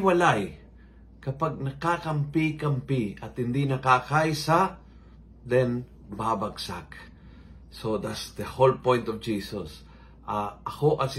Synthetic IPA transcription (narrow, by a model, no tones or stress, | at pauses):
wɐlaj | kɐpaɡ̚nɐkakɐmpikɐmpiɐt̪hɪnd̪inɐkakajsa | d̪ɛn | babaɡsa̰k | sod̪at̪sd̪əholpɔ̃jnt̪ɔvd͡ʒiːsɔs | ʔaɐkoʔɐsɪ